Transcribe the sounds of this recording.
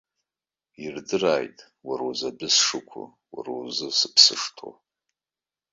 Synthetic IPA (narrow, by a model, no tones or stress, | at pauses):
irdɨraːjtʼ | waɾozabɨsʂɨkʷʰʊ̰ | wa̰rozɨsɨpʰsɨʂtʰo̰